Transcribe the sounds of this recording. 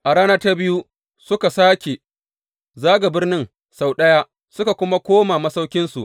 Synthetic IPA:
ʔa˨ɽaː˦nɐ˦ta˦bɪ˦ju˦ | sʊ˦ka˨saː˦kʲe˨ | zaː˦ɡa˨bɪ˦rnɪ˦ŋ | sa˨wɗɐ˦ja˦ | sʊ˦ka˨kʷʊ˦ma˦kʷoː˦maː˨mɐ˦sa˦wkʲɪ˦nsu˨ʔ

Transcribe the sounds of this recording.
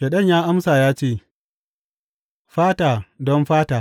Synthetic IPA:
ʃe˨ɗɐ˦˨ɲjaː˦ʔa˦msaː˨jaː˦t͡ʃeː˦˨ | ɸaː˦taː˨dɔ˦mɸaː˦taː˨

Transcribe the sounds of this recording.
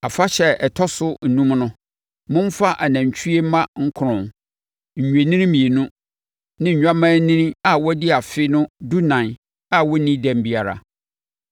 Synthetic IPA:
a˨fa˦ɕɛ˦ɛ˨tʰɔ˦sʊ˦n̩˨nũ˦mnʊ̃˦ | mʊ̃˦m˦fa˦ʔa˨nã˨ɲ˨t͡ɕᶣʰu˦e˦mã˦ŋ̩˦kʰʊ˨ʊ̃˨n | ɲ̩˨ɲᶣ˨e˨nĩ˦nĩ˦mĩ˨e˨nũ˦ | nɪ̃˦ɲ̩˨ɲᶣã˦mãː˦nĩ˦nĩ˦a˨wɔ˦dɪ˦a˨fɪ˦nʊ̃˦du˦nã˨n˨ | a˦˨wɔ˦nĩ˦dæ̃˨m˦bi˦a˨ɾa̰˨

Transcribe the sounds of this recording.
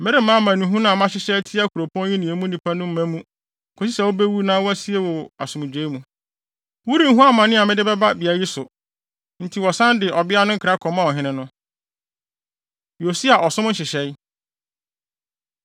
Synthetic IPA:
mɪ̃˦ɾɪ˦mã˦mã˨nũ˨ɦũ˦nã˨mã˦ɕɪ˦ɕɛ˦tʰi˦a˦kʰu˨ɾo˨pʰɔ̃˦n˦jĩ˦nĩ˨e˨˦mũ˦nĩ˨pʰa˦nʊ̃˦m̩˦mæ̃˦mũ˦˨ | kʰo˨˦s̬i˦sɛ˨wo˦be˦wu˦nãː˦wɔ˦æ˦si˦e˦wɔ˨a̰˨sʊ̃˨mɪ̃˨d͡ʑᶣe˦mũ˨ | wu˦ɾĩ˨ŋ̩˦ɦũ˦a˦mã˨nɪ̃˦a˨mɪ̃˦dɪ˦bɛ˦ba˦bi˨a˨ji˦sʊ˨ | n̩˦˨tʰi˨wɔ˨sã˦ndɪ˨ʔɔ˨bɪ˦a˦nʊ̃˦ŋ̩˦kʰɾa˦kʰɔ˨mã˦ɔ˨ɦɪ̃˦nɪ̃˦nʊ̃˦ | jo˨si˦a˨ʔɔ˨sʊ̃˦m˦n̩˦ɕɪ˨ɕɛ˦j

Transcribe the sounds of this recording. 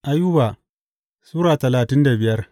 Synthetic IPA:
ʔa˦ju˦baː˨ | suː˦ɾaː˨tɐ˨laː˨tɪ˦nda˨bɪ˨jɐ˦r

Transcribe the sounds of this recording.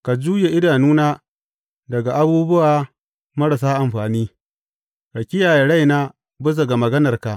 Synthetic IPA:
ka˨d͡ʒuː˦je˨ʔɪ˦daː˨nuː˦naː˦ | dɐ˨ɡa˨ʔa˦buː˦bʊ˦waː˨ | mɐ˦ɽɐ˨s̬aː˦ʔa˨mɸaː˨niː˦ | ɾɐ˨kʲɪ˦jaː˨je˨ɽa˦˨jnaː˦ | bʊ˦s̬ɐ˨ɡa˨mɐ˨ɡɐ˦nɐ˨rka˨ʔ

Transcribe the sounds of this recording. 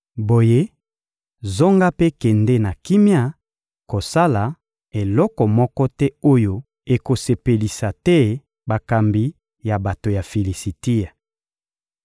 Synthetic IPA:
bo˨je˦ | zo˦ŋɡa˦pe˦kɛ˨ndɛ˦na˨ki˦mja˦ | ko˨sa˦la˨ | e˨lɔ˦kɔ˨mɔ˦kɔ˦tɛ˦o˦jo˦ | e˨ko˨se˨pe˨li˨sa˨tɛ˦ | ba˨ka˨mbi˨ | ja˨ba˨to˨ja˨fe˨li˨si˨ti˦a˨

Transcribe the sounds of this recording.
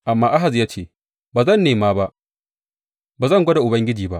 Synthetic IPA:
ʔa˨mːaː˦ʔa˦ɦa˨zjaː˦t͡ʃeː˦˨ | baː˨zɐ˦˨nːeː˨maː˦ba˦ʔ | baː˨zɐ˦˨ŋɡʷɔ˦da˨ʔʊ˨bɐ˦ŋɡʲɪ˦d͡ʒiː˨ba˦ʔ

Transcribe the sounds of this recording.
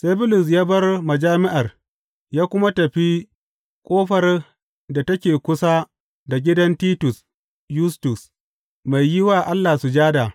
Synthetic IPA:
se˦bʊ˦lʊ˨s̬jaː˦bɐ˦rmɐ˨d͡ʒaː˦mɪ˦ʔa˨r | jaː˦kʷʊ˦ma˦tɐ˨ɸi˦ | kʷʼoː˦ɸɐ˨r | da˨tɐ˦kʲeː˨kʷʊ˦sa˦ | da˨ɡʲɪ˦dɐ˦ntiː˦tʊ˨s | jʊ˦stʊ˨s | ma˨jjɪ˦waː˨ʔa˦lːaː˨su˨d͡ʒaː˦da˨

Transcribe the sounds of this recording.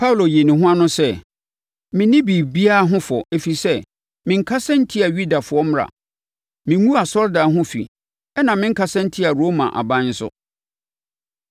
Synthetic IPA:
pʰa˦u˨lo˨je˨nĩ˨ɦʊ̃˦a˦nʊ̃˦sɛ˦ | mɪ̃˨nɪ̃˦bi˨bi˦a˦ɦʊ̃˦fɔ˨e˨fi˨sɛ˦ | mɪ̃˨ŋ̩˦kʰa˦sɛ̃˦n̩˦tʰi˦a˨ɥu˦da˨fʊ˨ɔ˦m˦ɾa̰˨ | mɪ̃˨ŋũ˦a˨sɔ˦ɾdaː˨˦ɦʊ̃˦fḭ˨ | ɛ˦nã˨mɪ̃˦ŋ̩˦kʰa˦sɛ̃˦n̩˦tʰi˦a˨ɾo˦mã̰˨ʔa̰˨bã˦n̩˦sʊ̰˦

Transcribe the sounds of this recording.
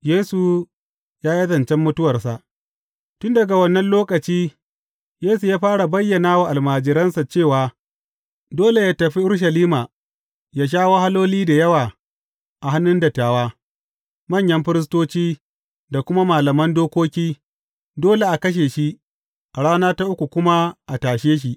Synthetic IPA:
jeː˦su˨ | jaː˦ji˦zɐ˨nt͡ʃɛ˦mːʊ˦tʊ˦wɐ˨rsa˨ʔ | tʊ˦ndɐ˨ɡa˨wɐ˦nːɐ˦nloː˦kɐ˨t͡ʃiː˦ | jeː˦su˨jaː˦ɸaː˦ɽa˨bɐ˦jːɐ˨naː˦wa˨ʔa˨lmaː˨d͡ʒɪ˨ɾɐ˦nsa˨t͡ʃeː˦˨waː˨˦ | doː˦le˨jaː˦tɐ˨ɸi˦ʔʊ˦ɾʃ̬ɐ˨liː˦maː˨ | jaː˦ʃ̬aː˦woː˦ha˦loː˦liː˦da˨jɐ˦waː˨ | ʔa˨ɦa˦nːʊ˦ndɐ˨tːaː˨waː˦ | mɐ˦˨ɲjɐ˦mɸɪ˦ɾɪ˦s̬toː˦t͡ʃiː˦ | da˨kʷʊ˦ma˦maː˨lɐ˨mɐ˦ndoː˦kʷoː˦kʲiː˦ | doː˦le˨ʔa˨kɐ˦ʃ̬eː˨ʃi˦ | ʔa˨ɽaː˦naː˦ta˦ʔʊ˦kʷu˨kʷʊ˦ma˦ʔa˨taː˨ʃeː˦ʃ̬i˨ʔ

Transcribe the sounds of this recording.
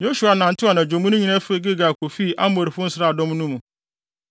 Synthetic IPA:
jo˦su˨a˨nã˨n̩˨tʰɪ˦a˨nã˨d͡ʑᶣõ˨mũ˦nʊ̃˦ɲĩ˨nã˦fe˦ɡe˦ɡa˨kʰo˨fiː˦˨ʔa˦m˦bo˨ɾi˨fʊ̃˦n̩˦sa˦˨dɔ̃˦m˦nũ˦mũ˨

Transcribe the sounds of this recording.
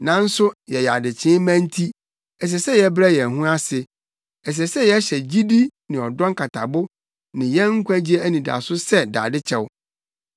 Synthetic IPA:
nã˨n̩˦sʊ˦jɛ˨ja˨dɪ˨t͡ɕʰɪ̃˦mæ̃˦n˦tʰi˦ | ɛ˨ɕ̬ɛ˨sɛ˦jɛ˨˦bɾɛ˦jɛ˨ɦũ˦a˦sɪ˨ | ɛ˨s̬ɛ˨sɛ˦jɛ˦ɕɛ˨d͡ʑi˦di˦nɪ̃˨ɔ˨dɔ̃˦ŋkʰa˨tʰa˨bʊ˦ | nɪ̃˨jɛ˦ŋ̩˦kʷʰã˦d͡ʑi˦ɛ˦æ˦nĩ˨da̰˨sʊ˦sɛ˦da̰ː˨dɪ˦t͡ɕʰɛ˦w

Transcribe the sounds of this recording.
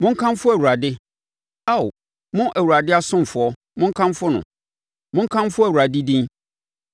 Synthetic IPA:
mʊ̃˦ŋ̩˦kʰã˦m˦fʊ˦æ˨wu˨ɾa˨dɪ˦ | a˦˨w | mʊ̃˦ʔæ˨wu˨ɾa˨dɪ˦a˦sʊ̃˦m˨fʊ˨ɔ˦ | mʊ̃˦ŋ̩˦kʰã˦mfʊ˦nʊ̰̃˨ | mʊ̃˦ŋ̩˦kʰã˦m˦fʊ˦æ˨wu˨ɾa˨di˦dĩ˦

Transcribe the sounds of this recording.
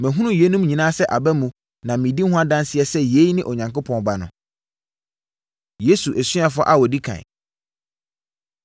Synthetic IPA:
mɪ̃˨ɦũ˦nũ˦je˦nũ˦mɲĩ˨nã˦sɛ˦ʔa˨bɛ˦mũ˨ | nã˨mĩ˨di˦hʊ̃˦a˦dã˦nsɪ˦ɛ˦sɛ˦˨je˦i˦nɪ̃˦ʔɔ˨ɲã˨ŋko˦pʰɔ̃˨nba˦nʊ̰̃˨ | je˦su˨ʔɛ˨sɥ̃a˨fɔ̰˦ʔa˦wɔ˨di˦kʰã̰˨

